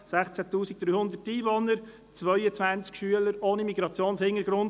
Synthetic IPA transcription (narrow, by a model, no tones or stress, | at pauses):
sæχt͡sæt̪uːsik̚d̥̪ɾyːhʊnd̪ətiːʋonəɾ | t͡svœʏət͡sʋænt͡skʃyələɾoːnimiɡɾɑt͡sjoːnshɪŋəɾɡ̥ɾʊnd